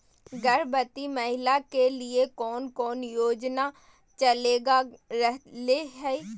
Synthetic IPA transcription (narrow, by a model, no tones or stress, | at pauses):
ɡɐɾbət̪imɐɦɪlakeliekɔːnkɔːnjoːd͡ʒna | t͡ʃɐleːɡaɾɛɦleɦɛ